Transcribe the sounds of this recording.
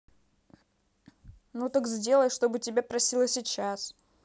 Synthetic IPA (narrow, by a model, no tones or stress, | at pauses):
nut̪əkzʲdʲe̞lˠəjʂt̪o̞bɨtʲɪbʲapɾɐsʲilˠəsʲɪt͡ɕas